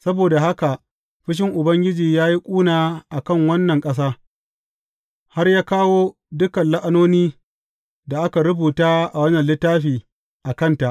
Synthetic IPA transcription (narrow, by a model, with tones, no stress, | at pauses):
sɐ˦boː˨da˨ha˦ka˨ʔ | ɸɪ˦ʃ̬ɪ˦ŋʔʊ˨bɐ˦ŋɡʲɪ˦d͡ʒiː˨jaː˦ji˦kʷʼuː˦naː˨ʔa˨kɐ˦˨ŋwɐ˦nːɐ˨ŋkʼɐ˦s̬aː˦ | ha˦rjaː˦kaː˦woː˦ | dʊ˦kɐ˨nla˦ʔa˦noː˦niː˦ | da˨ʔa˦ka˨ɾʊ˦buː˨taː˦ʔa˨wɐ˦nɐ˨nlɪ˦tːaː˦ɸiː˨ | ʔa˨kɐ˦˨nta˨ʔ